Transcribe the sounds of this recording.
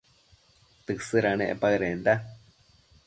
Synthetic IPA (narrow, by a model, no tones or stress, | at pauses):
t̪ɨsɨɾanḛʔpaɾend̪a